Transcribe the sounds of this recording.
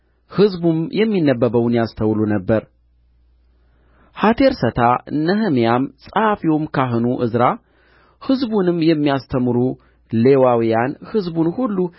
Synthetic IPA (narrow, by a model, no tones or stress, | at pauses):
hɨzbumjɛmːinːəbːəβəwnjast̪ʰəwlunəbːəɾ | hat̪ʰe̞ɾsət̪ʰanəɦəmijamsʼafiwomkʰaɦɨnuʔɨzɾa | hɨzbunɨmːjɛmːijast̪ʰəmɨɾu | le̞wawijanhɨzbunhulːu